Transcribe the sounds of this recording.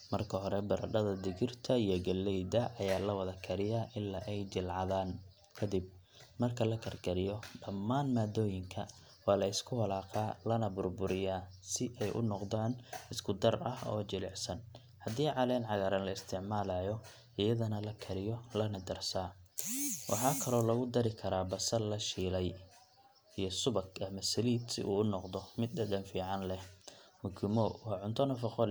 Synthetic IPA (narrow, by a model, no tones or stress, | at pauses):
mɐrkʰɐɦɔɾɛbɐɾɐ̰ɖɐðɐd̪ɪɣɪrt̪ʰɐijɔɡɐlːɛjd̪ɐʔɐjaːlɐwɐðɐkʰɐɾɪjaʔɪlːɐʔɛjt͡ʃɪlʕɑðaːn | kʰɐd̪ɪb̚ | mɐrkʰɐlɐkʰɐrɡɐɾɪjɔɖɐmːaːnmaːd̪ɔːjɪŋkʰɐ | wɑːlɐɪskʰʊhɐlaːqaːlɐnɐbʊrbʊɾɪjaːsɪʔɛjʔʊ̰nɔqd̪aːnɪskʰʊd̪ɐrɐ̰hɔ̰ːt͡ʃɪlɛ̰ʕsɐn | hɐd̪iːʕɑlɛːnʕɑɣɐɾɐnlɐɪst̪ʰɪʕmaːlajɔ | ʔɪjɐðɐnɐlɐkʰɐɾɪjɔlɐnɐd̪ɐrsaː | wʔɑ̰ħɑːkʰɐlɔːlɐɣʊd̪ɐɾɪkʰɐɾaːbɐsɐlɐʃiːlɛj | ijɞsʊβɐkɐmɐsɐliːd̪sɪ̰ʔṵːʊnɔqðɔmɪd̪̚ɐd̪ɐnfiːʕɑnlɛmʊkɪmɔwɑːʕʊnt̪ʰɔnɐfɑqɔ